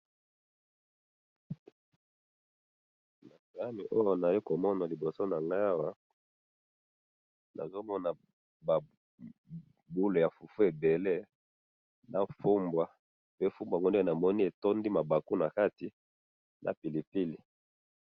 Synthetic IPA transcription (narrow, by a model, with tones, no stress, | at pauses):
na˨za˦ni˨ʔo˦jo˨na˨ji˦ko˨mɔ˦na˨li˨bo˨so˦na˨ŋɡa˦a˦wa˦ | nʔa̰˨zo˦mɔ˦na˨ | ba˨ | bu˦lo˨ja˨fu˨fu˦e˨be˨le˦ | nʔa˨fu˦mbwa˨ | pe˦fu˦mbwa˨ŋɡo˦ndna˨mɔ˦ni˦e˨tɔ˦ndi˦ma˨ba˨ku˦na˨ka˦ti˨ | nʔa̰˨pi˨li˨pi˦li˨